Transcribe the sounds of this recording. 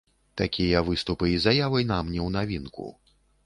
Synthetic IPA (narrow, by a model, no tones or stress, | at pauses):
t̪akʲijɐvɨst̪upɨizajavɐjnamnʲɛwnavʲinkṵ